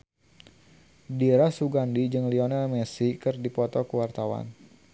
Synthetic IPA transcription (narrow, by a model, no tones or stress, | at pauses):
diɾasuɡandid͡ʒɨŋliɔnalmɛsikɨrdipɔt̪ɔkəwart̪awa̰n